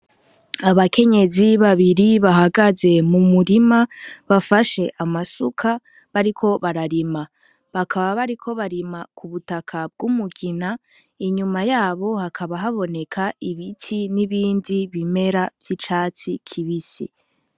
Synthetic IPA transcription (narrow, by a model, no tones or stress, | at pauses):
aβakʰe̞ɲe̞ziβaβiɾiβaɦaɡaze̞mumuɾimaβafaʃe̞ʔamasukʰa | βaɾikʰo̞βaɾaɾima | βakʰaβaβaɾikʰo̞βaɾimakuβutakʰab̚ɡumuɡina | iɲumajaːβo̞hakʰaβaɦaβo̞ne̞kʰaiβitʰiniβiːndiβime̞ɾavj̥it͡ʃaːt͡sikʰiβisḭ